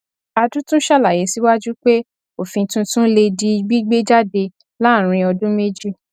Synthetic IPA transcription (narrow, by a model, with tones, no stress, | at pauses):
a˧dũ˦tũ˦ʃa˦˨la˨je˨˦si˦wa˦d͡ʒu˦k͡pe˦ | o˦˨fĩ˧tũ˦tũ˦le˧di˧˦i˨ɡ͡bi˦ɡ͡be˦d͡ʒa˦de˧ | la˦˨ɾ̃ĩ˧ɔ˧dũ˦me˦d͡ʒi˦